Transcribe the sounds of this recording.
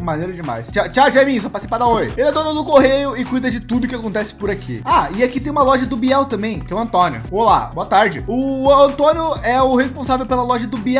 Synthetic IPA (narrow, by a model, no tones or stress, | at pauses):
mɐ̃nejɾɐd͡ʒɪma̰jst͡ʃat͡ʃaʒaɛmĩsɐpaɾt͡ʃɪsipad̪ɐojelad̪onõzʊkoɦejʊɪkujd̪ɐd͡ʒɪt̪ud̪ʊkɪakõnt̪ɛsɪ̥pʊɾakʰḭaɪakit̪ẽj̃ũmɐlɔʒɐd̪ʊbiɛwt̪ɐ̃mbẽj̃kɛwɐ̃nt̪õnjʊ̰bola̰boɐt̪aɾd͡ʒɪʊɐ̃nt̪õnjʊɛʊhespõsavewpelɐlɔʒɐd̪ʊbiɛ